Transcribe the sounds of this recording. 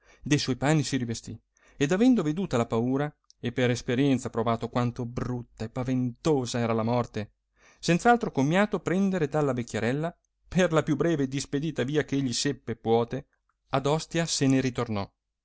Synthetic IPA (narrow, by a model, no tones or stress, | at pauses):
d̪ejswɔjpaːnːisiɾivest̪i | ed̪avɛnd̪oved̪uːt̪alapauːɾa | epːeɾespeɾjɛnt̪sapɾovaːt̪okwant̪obrut̪ːaepːavent̪oːzaɛːɾalamɔrt̪e | sent̪salt̪ɾokomːjaːt̪opɾɛnd̪eɾed̪alːavekʲːeɾɛlːa | pʰerlapjubːɾɛːveːd̪isped̪iːt̪aviːakeʎːisepːepwɔːt̪e | ad̪ɔst̪jaseneɾit̪ornɔ